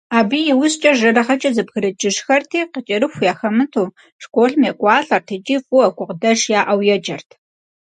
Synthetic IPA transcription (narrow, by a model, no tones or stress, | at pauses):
aːbiːjɪwʊst͡ʃʼɐʒɐɾɐχɐt͡ʃʼɐzɨbɣɨɾɨd͡ʒʼɪʂxɐrtʰiːqət͡ʃʼɪɾɨxʷjaːxɐmɨtʰuː | ʂkʷoːɬmjekʷʼɑːɬʼɐrtʰɨt͡ʃʼiːfʼuɐkʷʼʊqdɐʂjaːʔɐwjɛd͡ʒʼɐrtʰ